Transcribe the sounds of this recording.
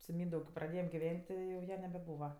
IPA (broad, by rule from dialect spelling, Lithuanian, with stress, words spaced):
sʊ ˈmʲiːndɐʊk kʲeːp prɐˈdʲeːjɛm ɡʲɪˈʋʲɛnʲtʲ ˈtʲɪ jɛʊ ˈjɛ nʲɛbʲɛˈbuːʋɐ